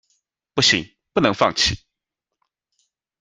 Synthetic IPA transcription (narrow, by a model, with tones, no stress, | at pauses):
pu˥˩ɕi˨˧˦ŋ | pu˥˩˨nɤ˧˥ŋfɑ˥˩ŋt͡ɕʰi˥˩˦